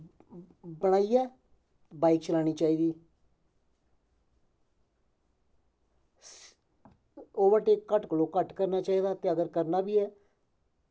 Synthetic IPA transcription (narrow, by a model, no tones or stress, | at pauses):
bəɽ̃aːiːɛː | baːikt͡ʃəlaːɽ̃iːt͡ʃaːiːd̪iː | oːʋəʈekəʈkəloːkəʈkəɾnaːt͡ʃaːiːd̪aːt̪eːəɡəɾkəɾnaːbiːɛː